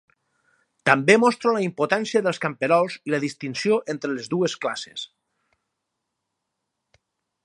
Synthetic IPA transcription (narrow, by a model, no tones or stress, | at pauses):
t̪əmbemɔst̪ɾoləimpot̪ansiəðəlˠskampeɾɔlˠziləðist̪insioʔent̪ɾəlezðuesklase̥̰s